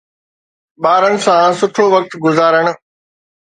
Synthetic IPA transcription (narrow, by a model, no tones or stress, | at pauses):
ɓaːɾənɪ̆sãsʊʈʰoʋɐk̚t̪ɡʊzaːɾəɽ̃ʊ̆